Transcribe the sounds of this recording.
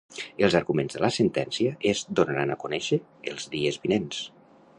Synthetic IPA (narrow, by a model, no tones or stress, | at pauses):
əlˠzaɾɣumenzðəlasent̪ɛnsiəʔezd̪onɾana̰kunɛʃə | elˠzðiəzβinens